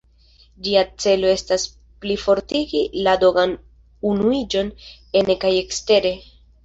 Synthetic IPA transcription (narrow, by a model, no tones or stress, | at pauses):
d͡ʒiat͡se̞lo̞e̞stas | plifo̞ɾtiɡilado̞ɡan | unuid͡ʒo̞n | e̞nekaje̞kste̞ɾe̞